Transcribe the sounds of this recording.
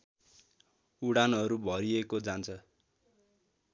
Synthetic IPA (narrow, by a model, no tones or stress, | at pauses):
uɽanɦʌɾubʱʌɾiekod͡zant͡sʰʌ